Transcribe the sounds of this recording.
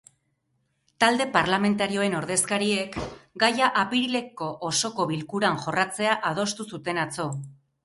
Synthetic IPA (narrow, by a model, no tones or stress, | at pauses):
t̪ald̪e̞paɾlame̞nt̪aɾio̞e̞no̞ɾðe̞skaɾie̞kɡajaʔapiɾile̞kːo̞ʔoso̞ko̞βilkuɾanʝo̞rat͡se̞aʔaðo̞st̪usut̪e̞nat͡so̞